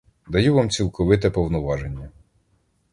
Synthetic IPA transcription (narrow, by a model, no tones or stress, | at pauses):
d̪ɐjuʋɑmt͡sʲilˠkɔʋɪt̪ɛpɔwnɔʋɑʒenʲːɐ